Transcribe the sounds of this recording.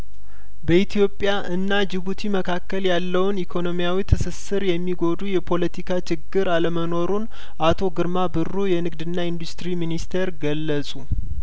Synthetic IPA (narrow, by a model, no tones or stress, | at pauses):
bəit̪ʰijo̞pʼːjaʔɨnːad͡ʒɪβut̪ʰiməkʰakːəljalːəwnikʰo̞no̞mijawit̪ʰɨsɨsɨɾjɛmːiɡo̞d̪ujɛpʰo̞lət̪ʰikʰat͡ʃɪɡːɨɾaləməno̞ɾun | ʔat̪ʰo̞ɡɨɾmabɨrːujɛnɨɡd̪ɨnːaind̪ust̪ɾiminist̪ʰeɾɡəlːəsʼu